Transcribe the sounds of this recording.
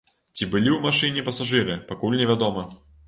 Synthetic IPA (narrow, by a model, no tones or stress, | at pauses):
t͡sʲibɨlʲiumaʂɨnʲɪpɐsaʐɨɾɨpakulʲnʲɪvʲad̪ɔmɐ